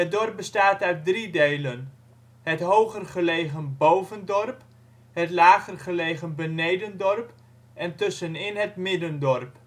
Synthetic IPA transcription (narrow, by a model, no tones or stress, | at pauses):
ɦət̚dɔrp̚bəstaːtœɥt̚dridejlən | hətɦowχərχəlejɣənbowvəndɔrp | hətlaːɣərχəleːɣənbənejdəndɔrp | ʔɛntɵsənɪnɦətmɪdəndɔrp